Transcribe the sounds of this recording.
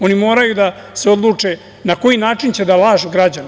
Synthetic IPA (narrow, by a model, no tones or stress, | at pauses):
o̞nimo̞ːɾajud̪aseo̞d̪lˠuːt͡ʂe | nako̞jinaːt͡ʂint͡ɕe̞d̪alaːʒuɡɾad͡ʑan